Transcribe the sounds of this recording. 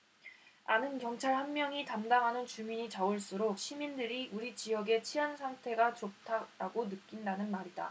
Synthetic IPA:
anɯnkjʌŋt͡ɕʰaɭhanmjʌŋitamdaŋɦanɯnt͡ɕumiɲit͡ɕauɭs͈uɾok̚ɕ͈ʰimindɯɾiʔuɾit͡ɕijʌɡe̞t͡ɕʰiansʰaŋtʰe̞ɡat͡ɕop̚tʰaɾaɡonɯkk͈indanɯnmaɾida̰

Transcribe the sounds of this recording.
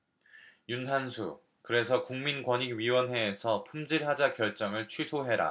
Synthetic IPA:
junɦansʰu | kɯɾe̞sʰʌkuŋminɡwʌɲiɡɥiwʌnɦe̞ːsʰʌpʰumd͡ʑiɭɦad͡ʑakjʌɭt͡ɕ͈ʌŋɯɭt͡ɕʰɥisʰoɦe̞ɾa̰

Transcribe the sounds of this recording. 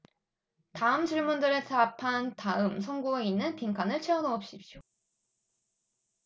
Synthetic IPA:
taɯmt͡ɕɯɭmundɯɾesʰapʰantaɯmsʰʌŋɡueinːɯnpiŋkʰanɯɭt͡ɕʰiʌnoʌp̚ɕ͈ip̚t͡ɕ͈o

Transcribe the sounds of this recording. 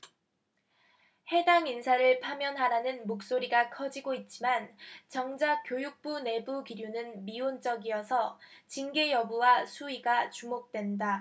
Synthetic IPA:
he̞daŋinsʰaɾɯɭpʰamjʌnɦaɾanɯnmok̚s͈oɾiɡakʰʌd͡ʑiɡoit̚t͡ɕ͈imant͡ɕʌŋd͡ʑak͈jojuk̚p͈une̞bukiɾjunɯnmiont͡ɕ͈ʌɡiʌsʰʌt͡ɕinɡe̞jʌbuwasʰuiɡat͡ɕumok̚t͈we̞nda

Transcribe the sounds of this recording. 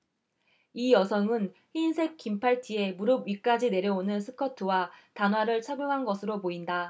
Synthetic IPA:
ijʌsʰʌŋɯnhinsʰe̞k̚k͈impʰaɭtʰie̞muɾɯbɥik͈ad͡ʑine̞ɾjʌonɯnsʰɯkʰʌtʰɯwatanɦwaɾɯɭt͡ɕʰaɡjoŋɦanɡʌsʰɯɾopoinda

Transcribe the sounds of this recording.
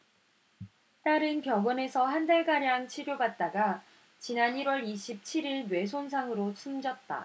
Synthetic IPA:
t͈aɾɯnpjʌɡʌne̞sʰʌɦandaɭɡaɾjaŋt͡ɕʰiɾjobat̚t͈aɡa | t͡ɕinaniɾwʌɾiɕʰip̚t͡ɕʰiɾiɭnwe̞sʰonsʰaŋɯɾot͡ɕʰumd͡ʑʌt̚t͈a̰

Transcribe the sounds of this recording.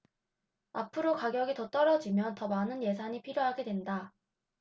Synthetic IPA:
apʰɯɾokaɡjʌɡitʌt͈ʌɾʌd͡ʑimjʌntʌmanɯnje̞sʰaɲipʰiɾjoɦaɡe̞dwe̞nda

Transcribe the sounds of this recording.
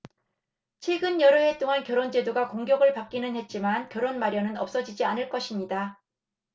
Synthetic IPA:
t͡ɕʰwe̞ɡɯnjʌɾɯɦet͈oŋankjʌɾond͡ʑe̞doɡakoŋɡjʌɡɯɭpak͈̚inɯnhe̞t̚t͡ɕ͈imankjʌɾonmaɾjʌnɯnʌp̚s͈ʌd͡ʑid͡ʑianɯɭk͈ʌɕʰimɲida

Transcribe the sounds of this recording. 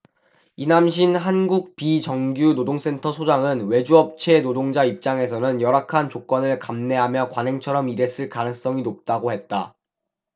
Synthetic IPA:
inamɕ̬ʰinɦanɡuk̚pit͡ɕʌŋɡjunodoŋs͈e̞ntʰʌsʰod͡ʑaŋɯnwe̞d͡ʑuʌp̚t͡ɕʰe̞nodoŋd͡ʑaip̚t͡ɕ͈aŋe̞sʰʌnɯnjʌɾakʰant͡ɕok͈ʌnɯɭkamne̞ɦamjʌkwanɦe̞ŋt͡ɕʰʌɾʌmiɾe̞s͈ɯɭkanɯŋs͈ʌŋinop̚t͈aɡohe̞t̚t͈a

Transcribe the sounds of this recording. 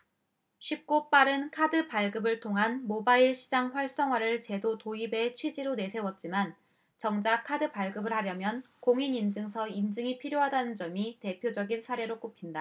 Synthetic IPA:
ɕʰip̚k͈op͈aɾɯnkʰadɯpaɭɡɯbɯɭtʰoŋɦanmobaiɭɕʰi̥d͡ʑaŋɸwaɭs͈ʌŋwaɾɯɭt͡ɕe̞dotoibe̞t͡ɕʰwed͡ʑiɾone̞sʰe̞wʌt̚t͡ɕ͈iman | t͡ɕʌŋd͡ʑakʰadɯpaɭɡɯbɯɭhaɾjʌmjʌn | koŋinind͡ʑɯŋsʰʌind͡ʑɯŋipʰiɾjoɦadanɯnd͡ʑʌmite̞pʰjod͡ʑʌɡinsʰaɾe̞ɾok͈opʰinda

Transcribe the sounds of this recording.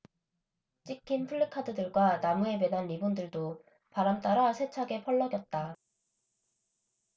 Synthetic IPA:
t͡ɕ͈ʰikʰinpʰɯɭːɯkʰadɯdɯɭɡwanamue̞be̞nɦanibundɯɭdo | paɾamt͈aɾasʰe̞t͡ɕʰaɡe̞pʰʌɭːʌɡjʌt̚t͈a

